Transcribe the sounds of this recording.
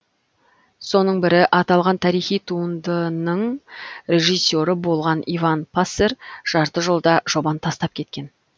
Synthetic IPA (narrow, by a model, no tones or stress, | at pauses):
so̞nəɴbɪɾɪʔɑt̪ɑlˠʁɑnt̪ʰɑɾijχijt̪ʰuənd̪ənəɴɾʲe̞ʒisʲːo̞ɾəbo̞lˠʁɑnivɑnpʰaseɾʒ̥ɑɾt̪əʒolˠd̪ɑʒ̥o̞bɑnt̪ʰɑst̪ɑp̚kʲʰe̞t̪̚kʲe̞n